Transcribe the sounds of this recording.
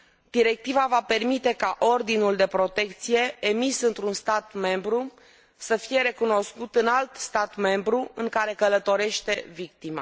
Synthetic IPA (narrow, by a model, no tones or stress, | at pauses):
d̪iɾe̞k̚t̪ivavape̞rmit̪e̞kaʔo̞rd̪inuld̪e̞pɾo̞t̪e̞k̚t̪sije̞emisɨnt̪ɾunst̪at̪me̞mbɾu | səfije̞ɾe̞kuno̞skut̪ɨnalt̪st̪at̪me̞mbɾuɨŋkaɾe̞kələt̪o̞ɾe̞ʃt̪e̞vik̚t̪ima̰